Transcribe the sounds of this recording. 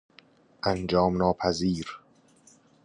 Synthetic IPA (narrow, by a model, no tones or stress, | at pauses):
ʔænd͡ʒɒːmnɒːpʰæziːɾ